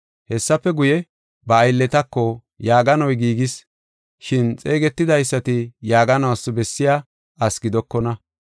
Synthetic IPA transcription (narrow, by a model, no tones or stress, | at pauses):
hɛsːɐpːɛɡʊjɛ | bɐːjlːɛt̪ɐkːɔ | jaːɡɐnɔjɡiːɡɪs | ʃɪnt͡sʼe̞ːɡɛt̪ːɪd̪ɐjsːɐt̪ɪjaːɡɐnɐwɐsːɔbɛsːɪjaː | ʔɐsɡɪd̪ɔkːɔnɐ